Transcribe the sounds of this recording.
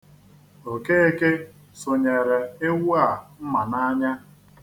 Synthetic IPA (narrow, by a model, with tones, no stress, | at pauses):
o˨ke˦e˦ke˦ | sʊ˨ɲe˨ɾe˨e˦wu˦a˨m̩˦ma˨na˦ɲa˦